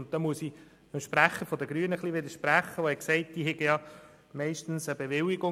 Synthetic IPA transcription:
ʊnt̚t̪ɔmuəsi | əmʃpɾæχːəfɔdəɡɾyːənəχliʋɪd̪əɾʃpɾæχːəʋohɛksɛɪt̚d̥iːɦɛɡəjɑ | mɛɪʃtn̩səbeʋɪlɪɡʊ

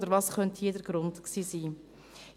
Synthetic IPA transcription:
dəɾʋɑːsχœnthiːdəɾɡ̥ɾʊntksiːsiː

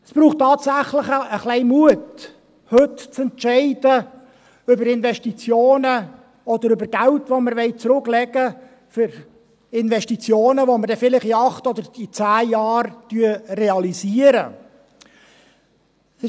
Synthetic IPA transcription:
spɾuːχtːɑːtsæχlɪχəəχlɛɪmuət | hɵtt͡sɛntt͡ʃɛɪd̥ə | ʏbəɾɪnvɛʃtit͡sjoːnə | ɔd̪əɾʏbəɾɡ̥æltvoməɾʋɛɪt͡sɾʊklɛɡə | fʏɾ | ɪnvɛstit͡sjoːnəvoməɾdɛfɪlɪχiɑχtɔd̪əɾit͡sæːjɑːrtyəreɑliziəɾə̰ | sɪ

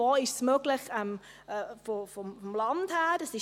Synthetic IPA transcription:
oːɪʃsmøɡlɪχɛm | ɛfofɔmfɔmlɑnd̥hæːd̥ɑsɪʃ

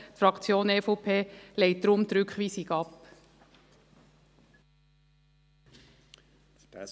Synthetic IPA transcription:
t̪fɾɑkt͡sjoːnɛfopʰeːleɪt̚d̥̪ɾʊmt̪ɾʏkχʋiːsɪɡɑp

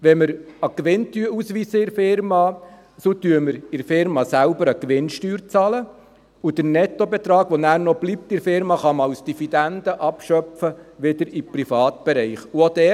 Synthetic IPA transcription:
ʋɛməɾɑkʋɪntyuːsʋiːsəɪɾfɪɾmɑ | sot̪yəməɾɪɾfɪɾmɑsælʊbəɾəkʋɪnʃtyːɾt͡sɑlə | ud̥ənɛtobɛt̪ɾɑːɡʋɔnæːɾnɔb̥lip̚tɪɾfɪɾmɑχɑmɑwsd̥ifid̪ænd̪əʔɑpʃœpfəʋɪdəɾipɾifɑːt̪b̥ɛɾɛɪχuod̥̪ɛː

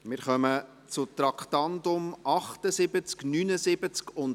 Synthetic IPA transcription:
mɪːɾχœmə | t͡sʊt̪ɾɑkχt̪ɑnd̪ʊmɑχtəsɪbət͡sknynəsɪbət͡skʊnd

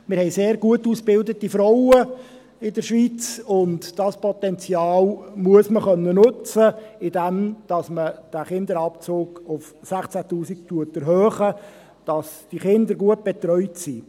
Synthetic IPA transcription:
mɪɾhɛɪseːɾɡuətuːsb̥ɪldətifɾɔwə | ɪdəɾʃʋit͡sʊntd̥ɑspɔt̪ɛnt͡sjɑːlmuəsməχœnːənɵt͡səɪdɛmd̥ɑsməd̥æχɪnd̪əɾɑpt͡soːɡ̥ʊfsæχt͡sætuːsik̚tuətəɾɦøːχə | d̥ɑsd̥iχɪndəɾɡuət̚b̥ɛt̪ɾœʏtsi

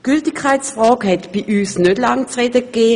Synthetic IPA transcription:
ɡ̥yltɪkʰːaɪtsfʁɔːkhɛtb̥iʔyːsnøtlaŋt͡sʁɛdəkːeː

